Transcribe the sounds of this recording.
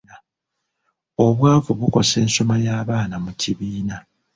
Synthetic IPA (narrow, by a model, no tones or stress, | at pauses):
a | o̞βwaːvuβuko̞se̞ːnso̞majaːβaːnamuciβiːna